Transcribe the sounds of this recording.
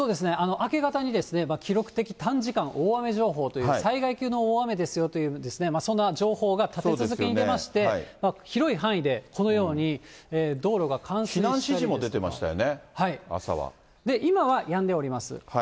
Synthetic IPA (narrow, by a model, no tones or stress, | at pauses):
so̞ːd̪e̞s̬ɨneʔano̞ʔake̞ɡat̪aɲ̟id̪e̞sɨne̞makʲiɾo̞kɯ̟̥t̪e̞kʲi̥t̪ãɲ̟d͡ʑikãɰ̃ʔoːame̞ʑo̞ːɦo̞ːt̪o̞jɯːsaiɡaikʲɨːno̞oːame̞d̪e̞sɨjo̞t̪o̞jɯ̟ːd̪e̞sɨne̞masõ̞nːaʑo̞ːho̞ːɡat̪atsedt͡sɨzɨkeɲinemaɕi̥t̪e̞aimaçiɾo̞iɦãɰ̃id̪e̞kʰo̞no̞jo̞ːɲ̟ieːd̪o̞ːɾo̞ɡakʰãɰ̃sĩnãɕiʑimo̞d̪e̞t̪e̞ma̰ɕi̥t̪a̰jo̰nehaia̰sa̰βa̰ | d̪e̞ʔimaβajãnd̪e̞o̞ɾʲimasɨ̰ha